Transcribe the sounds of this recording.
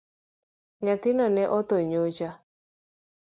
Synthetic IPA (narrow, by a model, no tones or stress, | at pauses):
ɲat̪ɪnɔnɛʔɔt̪oɲot͡ʃa